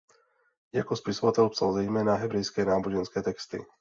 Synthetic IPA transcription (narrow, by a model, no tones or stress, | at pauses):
jakɔspisɔvat̪ɛlpsalzɛjmɛːnaɦɛbɾɛjskɛːnaːbuʒɛnskɛːt̪ɛkst̪ḭ